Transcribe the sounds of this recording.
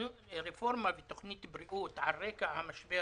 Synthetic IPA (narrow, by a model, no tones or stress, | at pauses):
ɾefoɾmavet̪oxnit̪ːɪbɾiʔut̪ʕarːekahamaʃbe